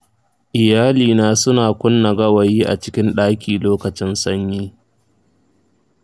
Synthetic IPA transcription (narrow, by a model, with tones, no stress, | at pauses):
ʔɪ˨jaː˦liː˨naː˦sʊ˦naː˨kʷʊ˦nːɐ˨ɡɐ˦wɐ˨jiː˦ʔa̰˨t͡ʃɪ˦kʲɪ˦nɗaː˦kʲiː˨loː˦kɐ˨t͡ʃɪ˦nsɐ˦ɲjiː˦